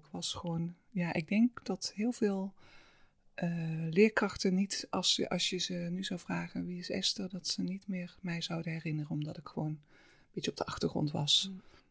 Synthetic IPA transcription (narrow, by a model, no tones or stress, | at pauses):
kʋɑsχəʋown | jaːʔɪɡ̚dɛŋkdɑtɦɪːlˠvɪːlˠ | ʔəlɪːɹkrɑxtənitɑsə̰ʔɑ̰sjəzənyzawvraːɣənʋiɪsɛ̰stərdɑtsənitmɪːɹmɛjzɑwdənɦɛrɪnərənɔmdɑtɪkχəʋown | əbɪtjəɔb̚dəʔɑxtəɹχrɔ̰ntʋɑ̰s